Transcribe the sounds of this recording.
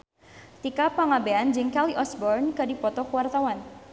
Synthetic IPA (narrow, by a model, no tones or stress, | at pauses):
t̪ikapaŋabeand͡ʒɪŋkaliʔɔsbɔrnkədipɔt̪ɔkuwart̪awan